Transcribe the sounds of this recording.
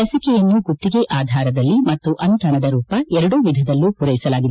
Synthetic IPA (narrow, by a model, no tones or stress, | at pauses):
ɐsikɛjɐnːuɡut̪ːiɡeʔaːd̪ʱaːɾɐd̪ɐlːimɐt̪ːuʔɐnt̪ʰɐnɐd̪ɐɾuːpɐɛɾɐɽuʋid̪ʱɐd̪ɐlːupuɾɐjisɐlaːɡid̪e